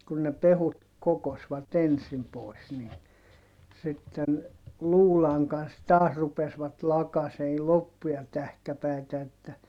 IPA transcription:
kun ne pehut kokosʋɑt ensim pois niː sitːen luːlɑŋ kɑns tɑːs rupesʋɑt lɑkɑsei lopːujɑ tæhkæpæi̯tæ etːæ

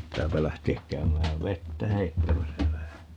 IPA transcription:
pitːæːpæ læhteæk kæymæːʋ ʋetːæ heitːæmæsæ ʋæhæ

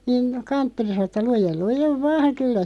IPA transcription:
niːn kɑntːori sɑno tːɑ lujel lujeʋ ʋɑːŋ kylːæ

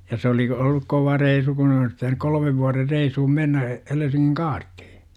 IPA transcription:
jɑ se olik olːuk koʋɑ reisu kun olis pitænyk kolə̆meʋ ʋuɑrer reishum menːæ helesiŋːiŋ kɑːrtːi̥hi̥

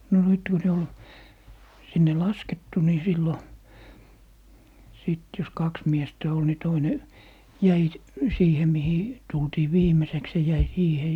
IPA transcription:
no nyt ku ne ol sinːe lɑsketːu ni silːo siˑt jos kɑks miestæ ol ni toine jæi siːhe mihi tultiː ʋiːmeseks se jæi siːhe

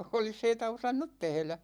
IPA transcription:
olis heitæ osɑnːut tehlæ

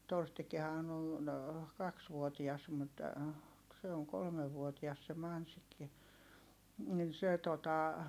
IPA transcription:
torstikˑihɑːn on kɑksʋuotiɑs mut se oŋ kolmeʋːuotiɑs se mɑnsikːi nin se totɑ

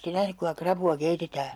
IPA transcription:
te næhnyk kuiŋkɑ krɑpuɑ keitetæː

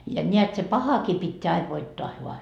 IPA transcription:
jɑ nʲeæt se pɑhɑkiː pitːeæ ɑiʋ ʋoitːoɑ ʋoɑ

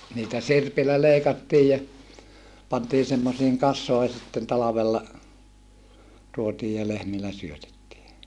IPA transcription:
niːtæ sirpilːæ leikɑtːiːj jɑ pɑntiː semːosiːŋ kɑsˑoi̯ sitːen tɑlɑʋelːɑ tuotiːj jɑ lehmilːæ syøtetːiː

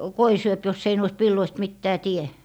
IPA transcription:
koi syøp josːei nɔist ʋilːoist mitːæː tie

